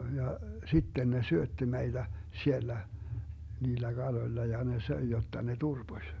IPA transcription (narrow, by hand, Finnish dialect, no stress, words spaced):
jɑ sitːen ne syøtːi meid̥æ sielːæ niːlːæ ɡ̊ɑloĭlːɑ jɑ ne søi jotːɑ ne turb̥osʲ